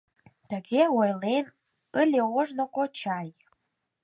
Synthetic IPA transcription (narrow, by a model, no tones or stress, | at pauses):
t̪əɣeojlen | əlʲeoʒnokot͡ɕɑj